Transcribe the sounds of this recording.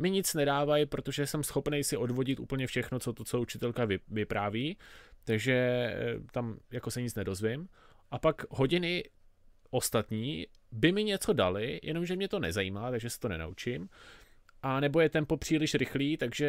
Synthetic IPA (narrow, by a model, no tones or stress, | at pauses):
mɪɲɪt͡snɛdaːvajpɾo̞t̪o̞ʒɛsɛmsxo̞pnejsɪʔo̞dvo̞ɟɪt̪ʔṵːpl̩ɲɛfʃɛxno̞t͡sot̪ot͡sout͡ʃɪt̪ɛlkavɪvɪpɾaːviːt̪aɡʒɛt̪amjako̞sɛɲɪt͡snɛdo̞zvɪm | ʔapakɦo̞ɟɪnɪ | ʔo̞st̪at̪ɲiː | bɪmɪɲɛt͡so̞dalɪjʔɛ̰no̞mʒɛmɲɛt̪o̞nɛ̰zajiːmaːt̪aɡʒɛsɛ̥t̪o̞nɛ̰na̰ʔut͡ʃɪm | ʔanɛbo̞jɛt̪ɛmpo̞pr̝̥iːlɪʃɾɪxliːt̪aɡʒɛ